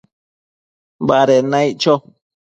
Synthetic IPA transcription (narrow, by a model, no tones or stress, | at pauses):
baɾenãiʔt͡ʃo